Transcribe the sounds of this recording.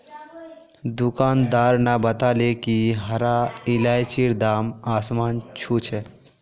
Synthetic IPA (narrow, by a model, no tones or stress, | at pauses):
d̪ʊkaːnd̪aːɾnabət̪alekiɦɐɾaɪlaːjt͡ʃiɾd̪aːmaːsmaːnt͡ʃʰut͡ʃʰɛ